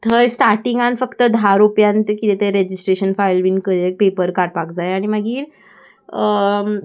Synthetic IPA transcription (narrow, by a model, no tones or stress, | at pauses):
t̪ʰəjsʈaɾʈiŋɡãnfəkt̪əd̪ʱaɾupjãnt̪kit̪et̪eɾed͡ʑisʈɾeɕənfajlʋiːnkəɾek̚pepəɾkaʈpakd͡zajaɽ̃iməɡiːɾ | ə